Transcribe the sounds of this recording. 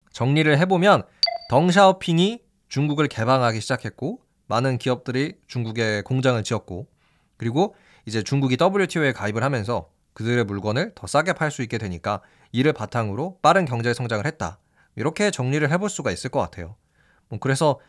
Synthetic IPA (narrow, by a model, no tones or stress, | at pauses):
t͡ɕʌŋɲiɾɯɭɦe̞bomjʌntʌŋɕ̬ʰaʌpʰiɲi | t͡ɕuŋɡuɡɯɭke̞baŋɦaɡiɕʰid͡ʑakʰe̞t̚k͈o | manɯnkiʌp̚t͈ɯɾit͡ɕuŋɡuɡe̞koŋd͡ʑaŋɯɭt͡ɕiʌt̚k͈o | kɯɾiɡo | id͡ʑe̞t͡ɕuŋɡuɡit͈ʌbɯɾiɭtʰioe̞kaibɯɭhamjʌnsʰʌ | kɯdɯɾe̞muɭɡwʌnɯɭtʌs͈aɡe̞pʰaɭs͈uik͈e̞dwe̞ɲik͈a | iɾɯɭpatʰaŋɯɾop͈aɾɯnkjʌŋd͡ʑesʰʌŋd͡ʑaŋɯɭhet̚t͈a̰ | iɾʌkʰe̞t͡ɕʌŋɲiɾɯɭɦe̞boɭs͈uɡais͈ɯɭk͈ʌk͈atʰe̞jo | mʌkɯɾe̞sʰʌ